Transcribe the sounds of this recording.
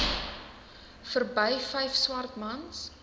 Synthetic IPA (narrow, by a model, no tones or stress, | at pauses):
fərbəjfɛjfswɐrtmɐns